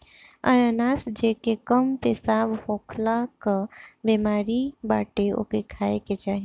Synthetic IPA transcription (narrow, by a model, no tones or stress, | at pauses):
a̰ɾanasd͡ʒekekəmpesabhokʰlakəbemaɾibaʈeo̰kekʰaeket͡ʃaɦi